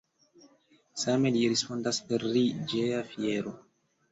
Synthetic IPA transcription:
same̞liɾispo̞ndaspe̞ɾːid͡ʒe̞afie̞ɾo̞

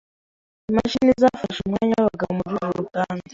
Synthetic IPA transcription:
ima̰ʃinizaːfaʃumŋaːɲawaβaɡaβomuɾuɾuɾutaːnde

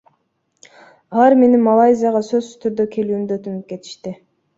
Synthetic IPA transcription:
ɑɑɾme̞nimːalˠajzʲɪjaʁɑsø̞zyt̪ʰyɾd̪økʲʰe̞lyːnd̪øt̪ynyp̚ke̞t̪i̥ʃt̪ɪ

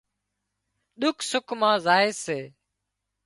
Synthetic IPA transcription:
ɗʊkʰsʊkʰmãːzaːeːseː

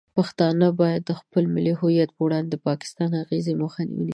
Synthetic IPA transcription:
paxt̪ɑnəbɑjad̪ːəxpəlmɪlihʊjat̪̚pəwɽɑnd̪əpɑkɪ̥st̪ɑnhaɣezeməxɑn̰w̰n

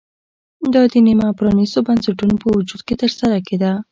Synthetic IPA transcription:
d̪ɑd̪ənimapɾɑnisobansaʈunopəwud͡ʒud̪̚ket̪əɾsaɾaked̪a

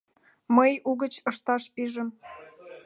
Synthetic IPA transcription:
məjuɣət͡ɕɤʃt̪ɑʃpiʒə̆m

